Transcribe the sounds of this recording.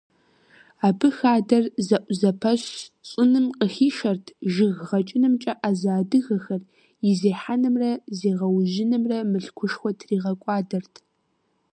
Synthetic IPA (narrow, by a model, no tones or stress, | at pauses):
aːbʰɨxaːdɐrzɐʔʷzɐpʰɐɕɕʼʊnɨmqəxiːʃɐrtʰʒɪɣʁɐt͡ʃʼɪnɨmt͡ʃʼɐʔaːzaːdɨɣɐxɐr | jɪzeːħanɨmrɐzeːʁɐwʒɪnɨmrɐmɨɬkʷʰʊʂxʷɔtʰriːʁɐkʷʼɑːdɐrtʰ